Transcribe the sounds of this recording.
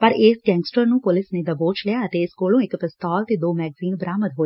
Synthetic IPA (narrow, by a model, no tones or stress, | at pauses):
pɐɾeːsʈeŋksʈɐɾnupolisnid̪ɐboːt͡ʃleaɐt̪eːskoːlũek̪ɐpɐst̪aːlt̪id̪oːmɛːɡziːnbɾaːmɐd̪ɦoː